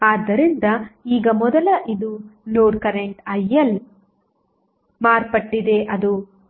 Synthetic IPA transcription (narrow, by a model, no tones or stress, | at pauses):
aːd̪ːɐɾind̪ɐiːɡɐmɔd̪ɐlɐʔid̪unoːɖkɐɾeɳʈɐjːɐl | maːɾpɐʈːid̪e̞ʔɐd̪u